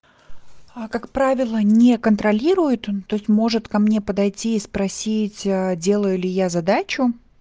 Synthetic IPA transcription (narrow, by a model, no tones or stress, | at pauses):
kakpɾavʲɪlˠənʲekənt̪ɾɐlʲiɾʊjʊt̪t̪ːo̞ɪsʲtʲmo̞ʐɨt̪kɐmnʲe̞pəd̪ɐjtʲiːspɾɐsʲitʲədʲe̞lˠəjʊlʲɪjazɐd̪at͡ɕʊ